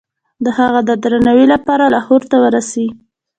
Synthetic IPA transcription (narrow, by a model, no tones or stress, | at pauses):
d̪əhaɣad̪əd̪ɾanawilapɑɾalɑhoɾt̪awəɾasai